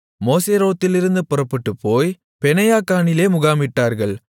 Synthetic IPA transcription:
moːseːɾoːt̪ːɪlɪɾɯnd̪ɯpʊɾɐpːɐʈːɯpːoːj | pɛnɐjaːkaːɳɪleːmʊɣaːmɪʈːaːɾɣɐɭ

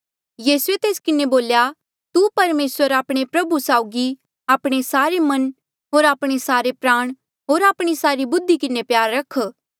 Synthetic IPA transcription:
jiːsuet̪eːskɪneboːlja | t̪upɐɾmeːswəɾaːpɽ̃epɾɐbusaːʊɡi | aːpɽ̃esaːɾemɐn | ɦoːɾaːpɽ̃esaːɾepɾaːɽ̃ | ɦoːɾaːpɽ̃isaːɾibʊd̪ʱːikɪnepjaːɾːɐkʰ

